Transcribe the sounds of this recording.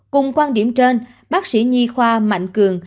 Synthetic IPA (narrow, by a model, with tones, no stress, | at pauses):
kʊ˨˩ŋ͡mkwaː˧nɗi˧˩əmt͡ɕe˧n | ɓaː˦˥k̚sḭ˧˥ɲi˧xwaː˧ma̰˧˨jŋ̟kɨ˨˩əŋ